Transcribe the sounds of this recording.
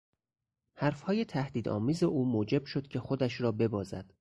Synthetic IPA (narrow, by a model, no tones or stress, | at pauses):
hæɾfhɒːje̞t̪ʰæhd̪iːd̪ɒ̰ːmiːzeʔuːmoːd͡ʒe̞b̥ʃo̞d̪̥cʲʰe̞xo̞d̪æʃɾɒːbe̞bɒːzæ̰d̪̥